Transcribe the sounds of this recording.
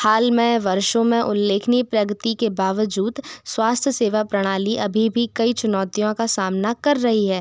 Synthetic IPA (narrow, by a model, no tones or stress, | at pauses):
haːlmẽʋɐɾʃõmẽʔʊlːeːkʰnipɾɐɡət̪ikebaːʋəd͡ʒuːd̪swaːst̪ʰjəseːʋapɾɐɽ̃aːliʔɐbʱibʱikɐit͡ʃʊnɔːt̪ijõkasaːmnakɐɾːɐɦiɦɛː